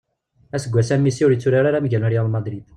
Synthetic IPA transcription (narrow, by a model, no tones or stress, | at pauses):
æsəɡʷːæsæmːisiʊɾjət͡sːuɾaɾaɾaməʝænæɾijalmɑd̪ɾid̪̥